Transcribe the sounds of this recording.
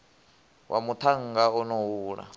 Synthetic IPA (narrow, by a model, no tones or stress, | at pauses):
wʔa̰mut̪ʰaŋ̩ɡaɔnɔwuːɺa̰